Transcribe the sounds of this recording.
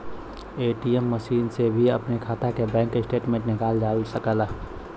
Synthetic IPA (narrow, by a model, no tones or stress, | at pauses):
eːʈiemːəʃiːnsebʱiə̰pnekʰaːt̪akebɛ̃ːŋkɪsʈeːʈmẽnɪkaːldaːlsəkəla